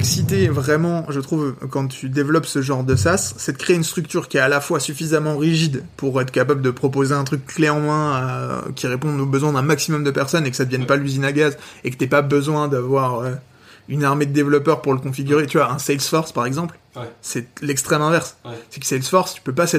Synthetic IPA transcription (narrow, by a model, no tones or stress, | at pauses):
ksit̪evʁɛmɑ̃ʒət̪χuvkɑ̃t̪ʰyd̪evlɔpsəʒɑ̃ʁd̪əsasːɛt̪əkχeynst̪χyk̚t̪yʁkʲiɛalafwasyfizamɑ̃ʁiʒid̪puʁɛt̪χəkapabləd̪əpχɔp̬ozeɛ̃t̪χykːleɑ̃mɛ̃a̰kʲiʁepɔ̃obəzwɛ̃d̪ɛ̃maksimɔmd̪əpɛʁsɔnekə̥sad̪əvjɛnpalyzinaɡazekət̪ɛpabəzwɛ̃d̪avwaʁø | ynaʁmed̪əd̪evlɔpœʁpuʁləkɔ̃fiɡʲyʁet̪yvwaɛ̃sɛjlsfɔʁspaʁɛɡzɑ̃pl | sɛlɛkst̪χɛmɛ̃vɛʁssɛksɛjlsfɔʁst̪y̥pøpasɛ